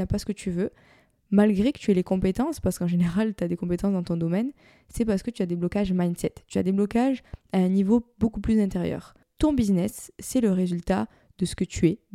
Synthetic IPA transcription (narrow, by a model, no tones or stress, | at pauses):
apasə̥kət̪ʰyvø | malɡʁekə̥t̪yɛlekɔ̃pet̪ɑ̃spaʁsə̥kɑ̃ʒeneʁalt̪yad̪ekɔ̃pet̪ɑ̃sd̪ɑ̃t̪ɔ̃d̪ɔmɛn | sɛpaʁsə̥kət̪yad̪eblɔkaʒmajnsɛt̪ːya̰d̪eblɔkaʒaɛ̃nivobokuplyzɛ̃t̪eʁjœ̰ːʁ | t̪ɔ̃biznɛsːɛləʁezylt̪a | d̪̥əsə̥kət̪ʰyɛ